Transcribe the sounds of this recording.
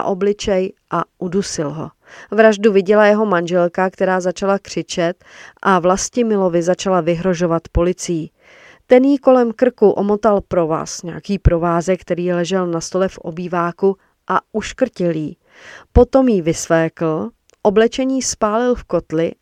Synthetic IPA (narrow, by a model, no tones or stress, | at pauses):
a̰ʔo̞blɪt͡ʃɛjʔaʔudusɪlɦo̞̰ | vɾaʒduvɪɟɛlajɛɦo̞manʒɛlkakt̪ɛɾaːzat͡ʃalakr̝̥ɪt͡ʃɛt̪ʔavlascɪmɪlo̞vɪzat͡ʃalavɪɦɾo̞ʒo̞vat̪po̞lɪt͡sɪji | t̪ɛnjiko̞lɛmkr̩kuʔo̞mo̞t̪alpɾo̞va̰sɲɛakiːpɾo̞vaːzɛkt̪ɛɾiːlɛʒɛlnast̪o̞lɛfʔo̞̰biːvaːku | ʔaʔuʃkr̩cɪljiː | po̞t̪o̞mjivɪslɛːkl̩ | ʔo̞blɛt͡ʃɛɲiːspaːlɪlfko̞t̪lɪ